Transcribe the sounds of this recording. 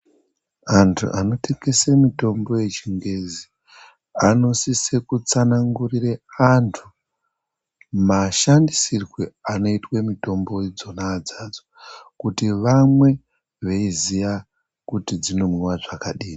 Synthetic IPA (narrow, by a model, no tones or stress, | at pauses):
antʰṵʔano̞te̞ŋɡe̞semito̞mbo̞je̞t͡ʃiŋɡe̞zi | ano̞sisekut͡sanaŋɡurireantʰu | maʃandisirweano̞itwe̞mito̞mbo̞id͡zo̞naːd͡zad͡zo̥kutiʋamwe̞ | ʋeizija | kutid͡zino̞mwiwaʐakaɗiːni